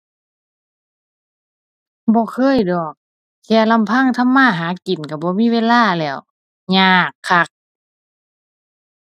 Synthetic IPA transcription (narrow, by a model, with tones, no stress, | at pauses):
bɔː˧˦kʰɤː˧˥˨jdɔː˨˩k̚ | kʰɛː˧˩la˧˨mpʰa˧˥˨ŋt̪ʰa˧˥˨mːaː˧˥˨ɦaː˨˦ki˨˩˦nka˧˩bɔː˧˦miː˧˥˨weː˧˥˨laː˧˥˨lɛː˧˩˨w | ɲaː˧˩kʰːa˧˩k̚